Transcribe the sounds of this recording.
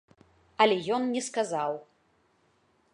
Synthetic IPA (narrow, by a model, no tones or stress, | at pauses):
ɐlʲɛjɔnnʲɛskazaw